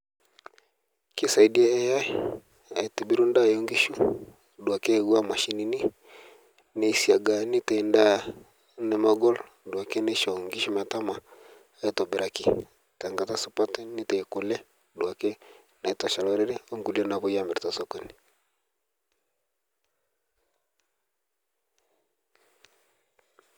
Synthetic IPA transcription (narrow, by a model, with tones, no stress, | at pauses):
ki˦sa˨i˨di˦a˦ɛ˦ja˦ | a˨tɛ˨bi˦ɾu˦nda˦˨jɔ˦ŋɡi˦ʃu˨ | dwa˨kɛ˦˨ɣwa˦ma˨ʃi˨˦ni˨ni˦ | nɛ˨i˨si˨a˨ɡa˨ni˦tɛ˨i˨nda˦˨ | nɛ˨ma˨ɡɔ˦l | dwa˨kɛ˦nɛ˦ʃɔ˨ŋɡi˦ʃu˦ma˨ta˦ma˨ | e˦tɔ˨bi˨ɾa˨ki˨ | ta˨ŋɡa˨ta˦su˦pa˦tni˦tɛ˨iko˨lɛ˦ | dwa˨kɛ˦ | na˨i˨ta˨ʃa˨lɔ˨ɾɛ˦ɾɛ˦o˦ŋɡu˨li˦ɔ˦na˨βo˦ja˦mɛ˨ɾi˨ta˨sɔ˨kɔ˦ni˨